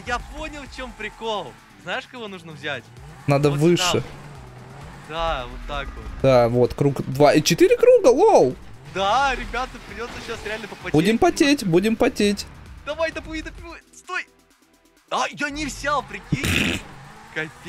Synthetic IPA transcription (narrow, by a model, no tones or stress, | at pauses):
japonʲɪlˠt͡ɕempɾʲɪkolˠ | znajɪʂkɐvonuʐnəvzʲætʲnad̪əvɨʂɨ | d̪avot̪ːakvot̪d̪avo̞t̪kɾukd̪vait͡ɕɪt̪iɾʲɪkɾuɡəlˠolˠ | d̪aɾʲɪbʲat̪əpɾʲɪdʲo̞t̪səɕasɾʲɪalʲnəpəpɐbudʲɪmpɐtʲetʲbudʲɪmpɐtʲetʲd̪̥ɐvajd̪ɐpuid̪əpʲɪst̪oj | ajanʲɪvzʲalˠpɾʲɪkʲi | kɐfʲ